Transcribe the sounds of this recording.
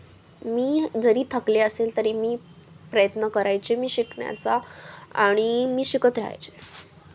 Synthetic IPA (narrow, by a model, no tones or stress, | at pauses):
miːd͡zəɾiːt̪ʰəkleəselt̪əɾiːmiːpɾəjət̪nəkəɾajt͡ɕemiːɕikɳja̰t͡saa̰ɽ̃imiːɕikət̪ɾaa̰jt͡ɕe